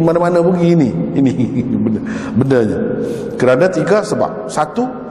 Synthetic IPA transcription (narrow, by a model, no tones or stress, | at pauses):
manamanabəɡiːniinibənəbənəɲa̰ | kəɾanat̪iɡasəba̰p̚sat̪u